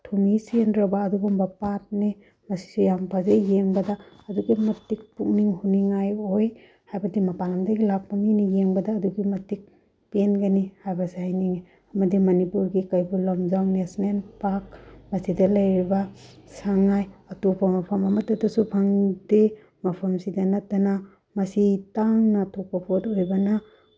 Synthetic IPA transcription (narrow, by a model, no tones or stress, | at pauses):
tʰumisendɾɐbɐːduɡumbɐpat̚ni | mɐsi̥sujampʰazejjeŋbɐdɐː | duɡimɐtik̚puk̚niŋhuniŋajoj | hajbɐdimɐpaŋɐmdɐɡilap̚maminijeŋbɐdɐːduɡimɐtik̚ | penɡanihajbɐshajniŋi | ɐmɐdimɐnipuɾɡikɐjbulɐmzawnesnenpak̚mɐsidɐlɐjɾibɐsaŋajɐtupʰɐmɐpʰɐmɐmɐtːɐtɐsubʰɐŋde | mɐpʰɐmsidɐnɐtːɐna | mɐsitaŋnɐtʰopɐpʰotojbɐnɐ